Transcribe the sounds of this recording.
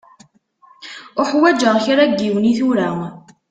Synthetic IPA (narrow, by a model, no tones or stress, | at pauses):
ʊħwæd͡ʒəʁçɾæɡːiwəniθuɾæ